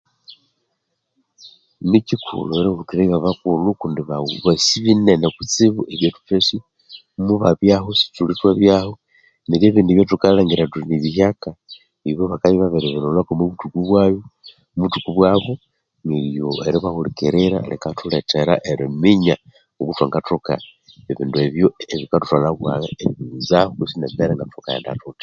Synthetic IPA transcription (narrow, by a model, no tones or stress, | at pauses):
micikʰṵloeɾehulukiɾaiβaβakulukundiβaβasiβinenekut͡siβuʔeβjetu̥fesi | muβaβjahosi̥tulitwaβjaho | niɾjeβiːndiβjotukalaŋɡiɾatuiniβihaka | βiβoβakaliβaβeɾeβenolakomuβutukuβwaːjo | muβutukuβwaβo | niɾjoeɾiβahulikeɾeɾa̰lekatuleteɾa̰ʔeɾimiɲa | ukutwaŋɡatuka̰ | eβḭːndueβjoeβikatu̥talaβwa̰ɣeeβiβiizahokusinemeɾeŋɡatuuka̰ja̰nda̰tutḁ